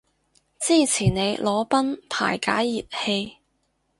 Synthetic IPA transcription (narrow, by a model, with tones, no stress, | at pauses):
t͡siː˥˩t͡sʰiː˨˩ne˨˧jlɔː˨˧˥pɐ˥npʰa̰ː˨˩jkaː˨˥jːiː˨˩p̚he˧j